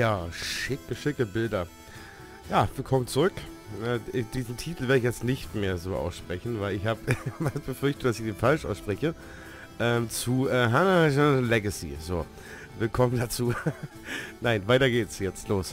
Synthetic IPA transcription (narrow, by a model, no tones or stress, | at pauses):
jaːʃɪkəʃɪkəbɪldɐ | jaːviɐkʰɔmənt͡suʁʏkʔɛːɪd̥iːzn̩tʰiːtl̩veːɐɾəçjɛt͡stnɪçtmeːɐzoːʔa̰ʊsʃpʁ̥ɛçn̩vaɪlɪçhaːbəvasb̥əfʏɐçtəd̥asɪçd̥eːnfalʃʔaʊsʃpʁ̥ɛçə | ʔɛːmt͡suʔɛːɦanaʒanlɛɡəsḭzoː | vɪlkʰɔməndat͡suː | naɪnvaɪtɐɡeːtsjɛt͡stloːs